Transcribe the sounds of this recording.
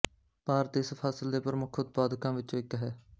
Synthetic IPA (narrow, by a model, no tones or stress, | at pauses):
paːɾt̪ɪspʰaːsɪld̪eːpəɾmʊkʰʊt̪̚paːd̪kãːʋɪt͡ʃːɪkɦɛː